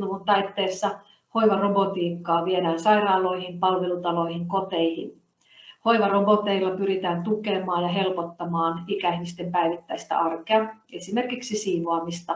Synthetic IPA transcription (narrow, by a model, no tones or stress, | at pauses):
nuunt̪ɑjt̪ːe̞ːsːɑ | ho̞jʋɑro̞bo̞t̪iːkːɑːʋie̞dæːnsɑjɾɑːlo̞jhinpɑlʋe̞lut̪ɑlo̞ijhiŋko̞t̪e̞jhḭn | ho̞jʋɑro̞bo̞t̪e̞ilːɑpyɾit̪æːnt̪uke̞mɑːjjɑɦe̞lpot̪ːɑmɑːnikæiçmist̪e̞mpæjʋit̪ːæjst̪æ̰ʔɑrkeɑe̞sime̞rkiksisiːʋoɑmist̪ɑ